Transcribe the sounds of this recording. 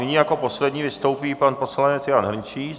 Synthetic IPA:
nɪɲiːjako̞po̞slɛdɲiːvɪst̪o̞wpiːpanpo̞slanɛt͡sjaːnɦr̩ɲt͡ʃiː

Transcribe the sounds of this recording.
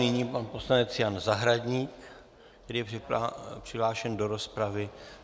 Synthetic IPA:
nɪɲiːpanpo̞slanɛt͡sjanzaɦɾadɲiːk | kt̪ɛɾiːjɛ | pr̥ɪɦlaːʃɛndo̞ɾo̞spɾavɪ

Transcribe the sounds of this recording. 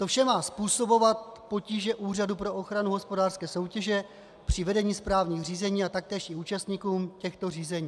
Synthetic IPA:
t̪o̞fʃɛmaːspuːso̞bo̞vat̪̚po̞ciːʒɛʔuːr̝adupɾo̞ʔo̞xɾanuɦospo̞daːr̥skɛːso̞wcɛʒɛ | pr̝̥ɪvɛdɛɲiːspɾaːvɲiːxr̝iːzɛɲiːat̪ak̚t̪ɛːʃɪuːt͡ʃast̪ɲiːkuːmcɛxt̪o̞riːzɛɲiː

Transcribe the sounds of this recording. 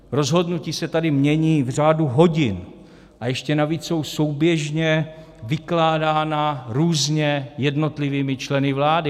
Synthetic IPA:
ɾo̞zɦo̞dnuciːsɛt̪adɪmɲɛɲiːvr̝aːduɦo̞ɟɪn | ʔajɛʃcɛnaviːt͡sso̞wso̞wbjɛʒɲɛ | vɪklaːdaːnaɾuːzɲɛjɛdno̞t̪lɪviːmɪt͡ʃlɛnɪvlaːdɪ

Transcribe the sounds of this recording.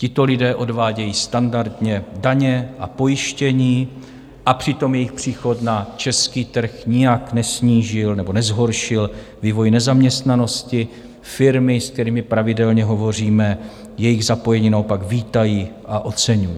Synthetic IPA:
cɪt̪o̞lɪdɛːʔo̞dvaːɟɛjiːst̪andaɾd̪ɲɛdaɲɛʔapo̞jɪʃcɛɲiː | ʔapr̝̥ɪt̪o̞mjɛjɪxpr̥iːxo̞t̪nat͡ʃɛskiːt̪r̩xɲɪjaknɛsɲiːʒɪlnɛbo̞nɛzɦo̞ɾʃɪl | viːvo̞jnɛzamɲɛst̪nano̞scɪ | fɪɾmɪskt̪ɛɾiːmɪpɾavɪdɛlɲɛɦo̞vo̞r̝iːmɛ | jɛjɪɣzapo̞jɛɲiːnao̞paɡviːt̪ajiːʔaʔo̞t͡sɛɲujiː

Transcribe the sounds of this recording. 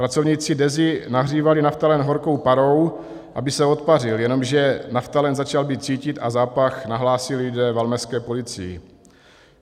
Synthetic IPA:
pɾat͡sovɲiːt͡sɪdɛzɪnaɦr̝iːvalɪnaft̪alɛnɦo̞ɾko̞wpaɾo̞w | ʔabɪsɛo̞t̪parɪljɛno̞mʒɛnaft̪alɛnzat͡ʃalbiːt̪̚t͡siːcɪt̪azaːpaxnaɦlaːsɪldɛːvalmɛskɛːpo̞lɪt͡sɪjɪ̰

